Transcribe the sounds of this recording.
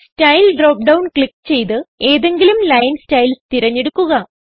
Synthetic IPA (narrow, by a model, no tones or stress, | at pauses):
stɐjlɖro̞ːk̚ɖɐwnkɭikːt͡ɕe̞jt̪ɨe̞ːðe̞ŋɡilumlɐjɐnstɐjlt̪iɾɐɲːe̞ɽukːuɣɐ